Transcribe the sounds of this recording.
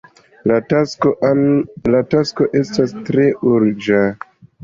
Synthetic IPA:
la | latasko̞ʔe̞stastɾe̞ʔuɾd͡ʒa

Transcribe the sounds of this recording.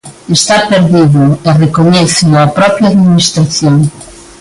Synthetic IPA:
est̪apeɾðiðʊerekoɲɛθenapɾɔpɾjaðminist̪ɾaθjoŋ

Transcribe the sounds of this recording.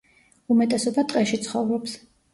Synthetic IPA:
umɛt̪ʼɛsɔbat̪ʼqʼɛʃit̪sʰχɔvɾɔps

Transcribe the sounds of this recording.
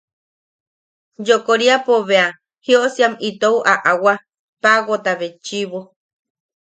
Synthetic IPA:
d͡ʒokoɾiapoβea | hioʔsiamit̪ouʔaʔawa | paɣot̪aβet͡ʃiβo

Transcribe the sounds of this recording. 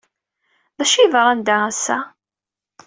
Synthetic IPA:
ðæʃivɾˤænd̪ææsːæ

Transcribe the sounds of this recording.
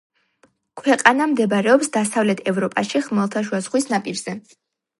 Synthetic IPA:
kʰwɛqʼanamd̪ɛbɾɛɔpsd̪asavlɛt̪ʰɛvɾɔpʼaʃiχmɛlˠt̪ʰaʃ̬wazχwisnapʼiɾz̥ɛ

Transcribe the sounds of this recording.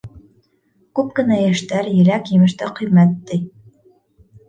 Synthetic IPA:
kʉp̚kɘ̆næjæʃt̪æɾjɘ̆ɾækjɘ̆mɘ̆ʃt̪æqɵ̆jmæt̪ːɘj

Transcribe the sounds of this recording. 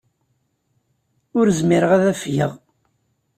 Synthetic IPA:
ʊɾzmiɾəʁæðæfjəʁ

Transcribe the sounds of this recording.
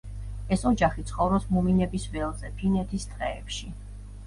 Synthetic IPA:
ɛsɔd͡ʒaχit̪sʰχɔvɾɔsmuminɛbisvɛlˠzɛpʰinɛt̪ʰist̪ʼqʼɛ̰ːpʃi

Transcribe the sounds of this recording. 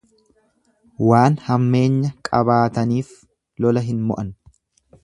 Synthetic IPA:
waːnhɐmːe̞ːɲːɐkʼɐ̰baːt̪ɐniːf | lɔlɐɦɪnmɔ̰ʔɐn

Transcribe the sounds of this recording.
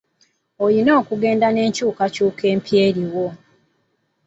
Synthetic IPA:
ojinoːkuɡe̞ːndane̞ːɲcuːkacuːke̞ːmpʰjeːɾiwo

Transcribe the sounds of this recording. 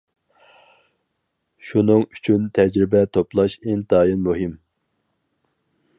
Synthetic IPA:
ʃunɨŋyt͡ʃʰynt̪ʰɛd͡ʒɾɪbɛt̪ʰoplˠɑʃint̪ɑːjinmuɦɪm

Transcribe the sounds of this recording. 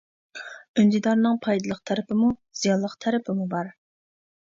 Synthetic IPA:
ynd̪id̪ɑɾnɨŋpʰɑjd̪ɨlˠəqt̪ʰæɾɪpʰɪmuz̥ijɑnlːˠəqt̪ʰæɾɪpʰɪmubɑɾ

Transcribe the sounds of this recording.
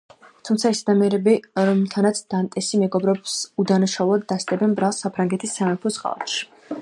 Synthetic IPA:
t̪ʰumt̪sʰaɛsad̪amiɛɾɛbiɾɔmˠt̪ʰanat̪sʰd̪̥ant̪ʼɛsimɛɡɔbɾɛbsud̪anaʃaulˠad̪ːast̪ʼɛbɛnbɾalˠsapʰɾaŋɡɛt̪ʰisːamɛpʰɔsqʼa̰lˠa̰t̪ʃi̥

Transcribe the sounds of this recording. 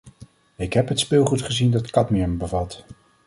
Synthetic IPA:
ɪkɦɛpɦətspɪlˠχutχəzindɑtkɑtmɛɛmbəvɑt

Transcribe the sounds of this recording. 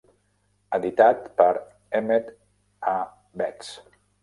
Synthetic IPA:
əðit̪at̪pəɾ | emet̪ | a | bɛks

